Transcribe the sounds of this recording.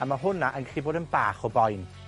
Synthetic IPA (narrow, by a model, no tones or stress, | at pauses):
amaɦʊnaʔənɡɛɬiboːdənbaːχɔbɔjn